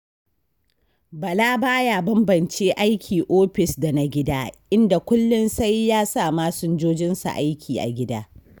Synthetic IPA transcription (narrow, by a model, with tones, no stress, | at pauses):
bɐ˨laː˦baː˦jaː˨bɐ˦mbɐ˨nt͡ʃeː˦ʔa˦jkʲʰiː˨ʔoː˦ɸɪ˨sda˨na˦ɡʲɪ˦daː˦ʔɪ˦nda˨kʷʊ˦lːʊ˦nsa˦jːaː˦saː˦˨maː˦sʊ˦nd͡ʒoː˦d͡ʒɪ˦nsa̰˨ʔa˦jkʲʰiː˨ʔa̰˨ɡʲɪ˦daː˦